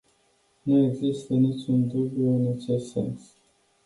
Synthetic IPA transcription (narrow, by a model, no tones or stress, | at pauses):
nueɡzist̪ənit͡ʃʲund̪ubjuɨnat͡ʃessḛns